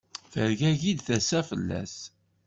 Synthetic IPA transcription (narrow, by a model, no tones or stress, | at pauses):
fəɾʝæʝid̪θæsæfə̰lːæ̰s